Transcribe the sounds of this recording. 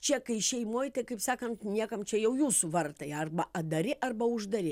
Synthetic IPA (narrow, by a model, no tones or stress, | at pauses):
t͡ʃʲɛkɐɪʃʲɛɪmoːjt̪ɐɪkɐɪpsɑːkɐnt̪nʲiɛkɐmt͡ʃʲɛjɛʊjuːsʊʋɐrt̪ɐjɐrbɐɐd̪ɐɾʲɪʔɐrbɐʊʒd̪ɐɾʲɪ